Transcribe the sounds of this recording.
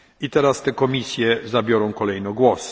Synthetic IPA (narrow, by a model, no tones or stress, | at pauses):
it̪ɛɾast̪ɛkɔmʲisʲjɛzabʲjɔɾɔ̃w̃kɔlɛjnɔɡwɔs